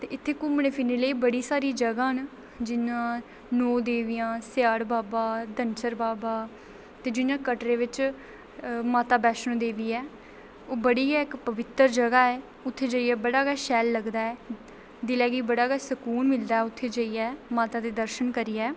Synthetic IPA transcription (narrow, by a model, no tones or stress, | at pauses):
t̪eːɪt̪ʰːeːkʊmneːpʰɪneːləiːbəɽiːsaːɾiːd͡ʒəɡãːɦn | d͡ʒɪnãː | noːd̪eːʋɪjãːsjaːɽbaːbaːd̪ənt͡ʃəɾbaːbaː | t̪eːd͡ʒɪnãːkəʈɾeːʋɪt͡ʃ | maːt̪aːbɛːʃnõːd̪eːʋiːɛː | oːbəɽiːɛːɪkpəʋɪt̪ːəɾd͡ʒəɡaːɛː | ʊt̪ʰːeːd͡ʒəːiːɛːbəɽaːɡaːʃɛːlːəɡd̪aːɛː | d̪ɪlɛːɡiːbəɽaːɡaːsəkuːnmɪld̪aːɛːʊt̪ʰːeːd͡ʒəːiːɛːmaːt̪aːd̪eːd̪əɾʃənkəɾiːɛː